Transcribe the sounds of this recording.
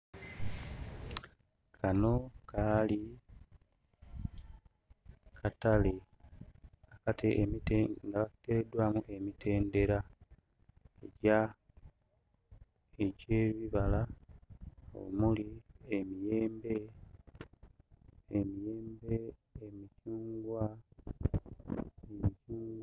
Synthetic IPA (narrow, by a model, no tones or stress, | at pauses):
kʰano̞kʰaːli | kʰatale | akateʔːmiteŋɡaβakteɾedwaːmuʔe̞mitʰe̞ːnde̞ɾa | ḛɟa | eɟe̞ːβiβala | o̰muliemijeːmbe̞ | mijeːmbeːmicuːŋɡwa | emicuːŋɡ